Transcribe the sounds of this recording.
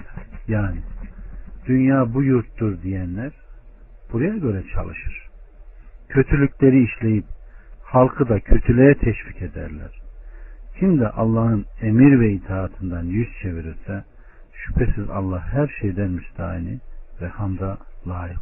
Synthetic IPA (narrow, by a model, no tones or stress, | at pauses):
jaːni | d̪̥ynjaːbujuɾt̪ːuɾd̪ijænlʲæɾ | b̥uɾajaɟø̞ɾɛt͡ʃʰa̰lˠɯʃɯɾ̥ | cʰø̞t̪ʰylʲycʲlʲe̞ɾiːʃlʲe̞jip̚halˠkʰɯd̪acʰøt̪ʰylʲejɛt̪ʰɛʃvicʰe̞d̪æ̰ɾlʲæ̰ɾ̥ | cʰimd̪iʔalˠːaːhɯnemiɾvɛit̪ʰaːt̪ʰɯnd̪anjyst͡ʃʰe̞viɾiɾsɛ | ʃy̥pʰesiza̰lˠːahhæɾʃejd̪æɾmiʃd̪a̰ːinivɛhamd̪alˠaːjiq